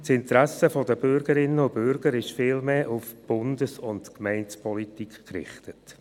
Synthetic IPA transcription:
sɪntɾæsəfɔdəbʏɾɡəɾɪnːəʊbʏɾɡ̥əɾɪʃfɪːlmeːʔʊfb̥ʊndəsʊntkmɛɪnspʰɔlitikχkɾɪ̰χtət

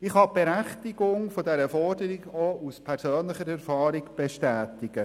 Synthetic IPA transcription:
ɪχhɑb̥eɾæχtɪɡʊŋfodɛɾəfɔrdəɾɪɡouspʰɛɾsøːnlɪχəɾɛɾfɑːɾɪɡb̥ɛʃtæːtɪɡ̥ə

